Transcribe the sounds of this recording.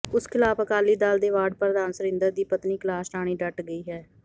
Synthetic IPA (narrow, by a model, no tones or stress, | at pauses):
ʊskʰɪlaːpəkaːliːd̪aːld̪eːʋaːɖ̚pɾəd̪aːnsəɾɪ̃nd̪əɾd̪iːpət̪niːklaːsɾaːɽ̃iːɖəʈɡəiːɦɛː